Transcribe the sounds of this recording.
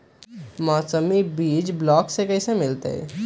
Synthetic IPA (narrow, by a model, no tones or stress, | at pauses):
mɔːsəmibiːd͡ʒblɔːksekɛːsemɪlt̪ḛɛ̰